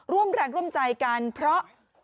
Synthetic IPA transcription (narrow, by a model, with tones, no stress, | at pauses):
ɾu˥˩əmɾɛː˧ŋɾu˥˩əmt͡ɕa˧jka˧npʰɾɔ˦˥ʔ